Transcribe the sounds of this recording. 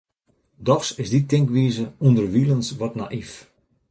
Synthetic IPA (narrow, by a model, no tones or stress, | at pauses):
dɔxsɪsditɪŋkʋiːzəundərʋilˠənsʋɔtna̰ʔif